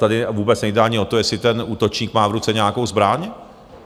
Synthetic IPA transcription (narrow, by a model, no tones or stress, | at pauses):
t̪adɪvuːbɛt͡snɛjdaaɲɪo̞t̪ojɛsɪt̪ɛnʔuːt̪o̞t͡ʃɲiːkmaːvɾut͡sɛɲɛakowzbɾaːɲ